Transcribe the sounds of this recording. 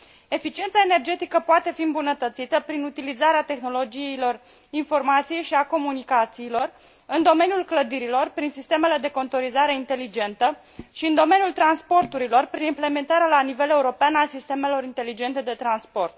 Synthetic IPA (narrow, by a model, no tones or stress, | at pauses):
e̞fit͡ʃiet̪saene̞rd͡ʒe̞t̪ikəpoat̪e̞fiɨmbunət̪ət̪sit̪əpɾinut̪ilizaɾeat̪e̞xno̞lo̞d͡ʒiilo̞r | info̞rmat̪sijejʃiako̞munikat̪siːlo̞r | ɨnd̪o̞me̞njulkləd̪iɾilo̞rpɾinsist̪e̞me̞le̞d̪e̞ko̞nt̪o̞ɾizaɾe̞int̪e̞lid͡ʒe̞nt̪ə | ʃiɨnd̪o̞me̞njult̪ɾanspo̞rt̪uɾilo̞rpɾinimple̞me̞nt̪aɾealanive̞le̞uɾo̞peanasist̪e̞me̞lo̞ɾint̪e̞lid͡ʒe̞nt̪e̞d̪e̞t̪ɾanspo̞rt̪̚